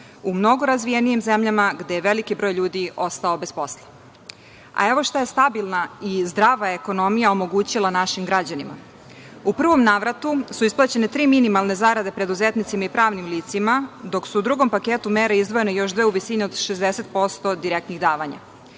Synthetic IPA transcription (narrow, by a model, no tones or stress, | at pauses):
umno̞ɡo̞ɾazʋijenijimzemʎamaɡd̪ejeʋelikibɾo̞ːjʎuːd̪iʔo̞st̪ao̞bespo̞slˠa | a̰eʋo̞ʃt̪aje̞st̪abilˠnaizd̪ɾaːʋaeeko̞no̞mijaomo̞ɡuːt͡ɕilˠanaʃimɡɾad͡ʑanima̰ | upr̩ʋo̞mnaːʋɾat̪usuisplˠat͡ɕe̞net̪ɾiːminimalˠne̞zaɾad̪e̞pɾe̞d̪uzet̪nit̪simaipɾaːʋnimliːt̪simad̪o̞ksuːd̪ɾuɡo̞mpakeːt̪umeːɾeizd̪ʋo̞je̞nejo̞ʃd̪ʋeuʋisineod̪ʃezd̪eset̪̚po̞st̪od̪iɾek̚t̪niɣd̪aːʋaɲa̰